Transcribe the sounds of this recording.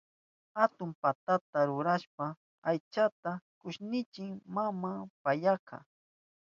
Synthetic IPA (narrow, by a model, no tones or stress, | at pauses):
hat̪ʊmpat̪at̪aɾʊɾaʃpa | ajt͡ʃat̪akʊʃnɪt͡ʃɪŋmamapajɑkʰɑ̰